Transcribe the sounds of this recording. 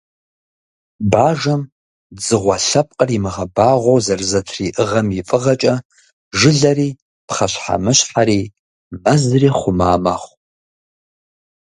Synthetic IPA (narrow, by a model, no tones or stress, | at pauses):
baːʒɐm | d͡zɨʁʷɐɬɐp̚ʼqʼərimɨʁɐbaːʁʷowzɐrzɐtʰriːʔɨʁɐmjɪfʼɨʁɐt͡ʃʼɐ | ʒɪɮɐriː | pχɐɕħa̰mɨɕħaɾiː | mɐzɨriːχʷʊmaːmɐχʷ